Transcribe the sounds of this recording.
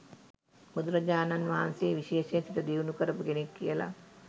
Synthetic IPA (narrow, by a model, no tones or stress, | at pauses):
mud̪uɾɐd͡ʒaːnanʋaːnseːʋiʃeːʃesit̪əd̪iʋunukəɾəpuɡenekːijəla̰